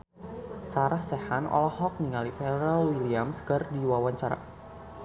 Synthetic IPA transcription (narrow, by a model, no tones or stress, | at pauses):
saɾahsɛhanɔ̰lɔhɔk̚niŋalipɛɾɔwiliamskərdiwawaɲt͡ʃaɾa̰